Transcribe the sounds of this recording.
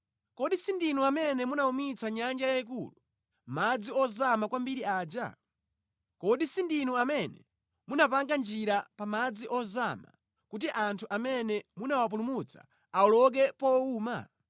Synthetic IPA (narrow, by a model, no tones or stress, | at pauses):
kɔɗisindinuamɛnɛmunaumit͡saɲand͡ʒajaik̬ṵlu | mad͡ziɔzamakwambiɾiaːd͡ʒa̰ | kɔɗisindinuamɛnɛ | munapaŋɡand͡ʒiɾapamad͡ziʔɔzama̰ | kut̬iʔantʰuʔamɛnɛmunawap̬ulumut͡sʰa̰ | aɔlɔk̬ɛpɔuːma̰